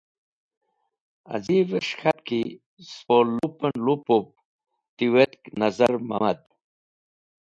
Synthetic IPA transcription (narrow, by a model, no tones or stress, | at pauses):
a̰ziveʂxat̪ki | spolupenlupop̚ | t̪iwet̪knazaɾma̰mad̪̚